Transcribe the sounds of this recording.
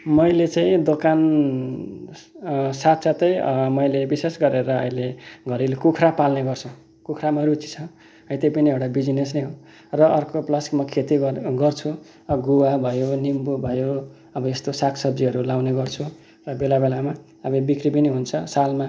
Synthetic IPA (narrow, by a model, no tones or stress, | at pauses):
mʌjlet͡sãĩd̪okan | sat̪sat̪ʌj̰mʌjlebisesɡʌɾeɾʌʌ̰jleɡʱʌɾilekukʰrapalneɡʌrt͡sʰu | kukʰramaɾut͡si̥t͡sʰʌ | ʌĩt̪ejpʌniewɽabid͡zines̬nʌjɦo | rʌʔʌrkoplʌskmʌkʰet̪iɡʌrt͡sʰu | ɡuwabʱʌjonimbubʱʌjo | ʌbʌest̪osakʰsʌb̚d͡ziɦʌɾulawneɡʌrt͡sʰu | rʌbelabelama | ʌbʌbikribiniɦunt͡sʰʌsalma